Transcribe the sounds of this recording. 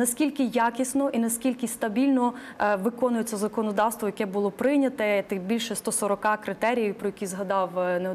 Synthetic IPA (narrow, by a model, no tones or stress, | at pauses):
nɐskʲilʲkɪjakʲisnɔʔinɐskʲilʲkɪst̪ɐbʲilʲnɔ | ʋɪkɔnʊjet͡sʲːɐzɐkɔnɔd̪ɑwst̪ʋɔjɐkɛbʊlˠɔpɾɪnʲɐt̪ɛt̪ɪbʲilʲʃɛst̪ɔsɔɾɔkɑkɾɪt̪ɛɾʲijiwpɾɔjɐkʲizɦɐd̪ɑwne